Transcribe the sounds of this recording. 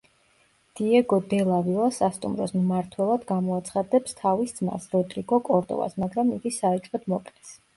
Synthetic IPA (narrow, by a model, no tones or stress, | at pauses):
d̪̥iɛɡɔd̪ɛlˠavilˠasast̪ʼṵmɾɔsmmaɾt̪ʰwɛlˠad̪ɡamɔat̪sʰχad̪ɛpst̪ʰavisd̪zma̰sɾɔd̪ɾiɡɔkʼɔɾd̪ɔ̰va̰smaɡɾamiɡisaɛt͡ʃʼɔd̪̥mɔqʼlɛs